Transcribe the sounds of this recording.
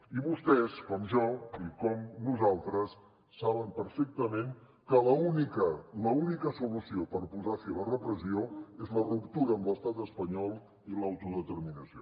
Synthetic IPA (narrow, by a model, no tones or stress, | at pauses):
iβust̪ɛskɔmʒɔikɔmnuzalˠt̪ɾəsː | aβəmpəɾfek̚t̪əmeŋ | kələunikələunikəsulusiopəɾpuzasilərəpɾəsioezlərupt̪uɾəːmbləst̪at̪əspəɲɔlˠ | ilawt̪uðət̪əɾminəsio